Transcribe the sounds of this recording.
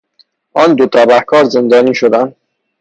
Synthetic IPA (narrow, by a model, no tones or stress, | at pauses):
ʔɒːnd̪ot̪ʰɒːbæhkʰɒːɾze̞nd̪ɒːniːʃod̪ænd̪